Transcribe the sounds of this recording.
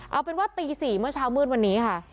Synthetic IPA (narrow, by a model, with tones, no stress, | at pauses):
ʔa˧wpe˧nwaː˥˩t̪iː˧siː˨˩mɯ˥˩ɐt͡ɕʰaː˦˥wmɯː˥˩nwa˧nːiː˦˥kʰa˥˩